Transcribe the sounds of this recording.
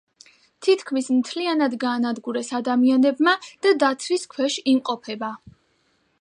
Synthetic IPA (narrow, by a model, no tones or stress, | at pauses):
t̪ʰit̪ʰkʰmismt̪ʰlianad̪ɡaːnad̪ɡuɾɛsad̪amianɛbmad̪̥ad̪at̪ʰɾiskʰwɛʃimqʼɔpʰɛba